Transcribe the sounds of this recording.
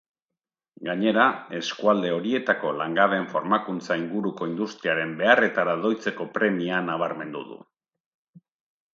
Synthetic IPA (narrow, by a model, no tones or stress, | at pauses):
ɡaɲe̞ɾae̞skuald̪e̞o̞ɾie̞t̪ako̞laŋɡaβe̞ɱfo̞ɾmakunt͡saiŋɡuɾuko̞ind̪ust̪ɾiaɾe̞mbe̞are̞t̪aɾaðo̞jt͡se̞ko̞pɾe̞mianaβ̞aɾme̞nd̪ṵðṵ